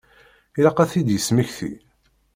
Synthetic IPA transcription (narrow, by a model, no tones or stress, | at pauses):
ilɑqæθid̪jəsmiçθḭ